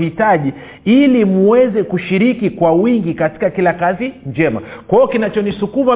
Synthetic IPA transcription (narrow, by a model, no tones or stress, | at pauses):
itaʄi | ilimuwɛzɛkuʃiɾikikwawiŋɡikati̥kakilakaziɲd͡ʒɛma̰kwaɔkinat͡ʃɔnisukuva